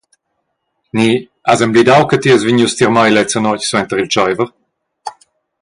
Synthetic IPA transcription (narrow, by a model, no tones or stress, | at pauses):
ni | azɛmblid̪awkət̪iəzviɲust̪iʁmajlɛt͡sənɔcswɛnt̪əʁilt͡ʃajvəʁ